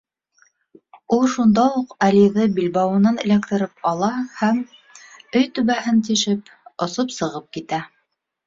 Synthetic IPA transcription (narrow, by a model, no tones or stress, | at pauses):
ulˠʃund̪ɑuqæliðɤbilbɑwɤ̆nɑnɘ̰̆lækt̪ɘ̆ɾɘpɑlˠɑhæm | ɵjt̪ɵ̆βæhɘnt̪iʃɘp | ŏsopsɤ̆ʁɤp̚kit̪æ